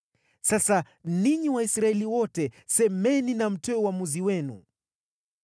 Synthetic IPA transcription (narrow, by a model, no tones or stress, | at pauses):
sasa | niɲiwaisɾaɛliwɔtɛsɛmɛninam̩tɛuwamuziwɛnṵ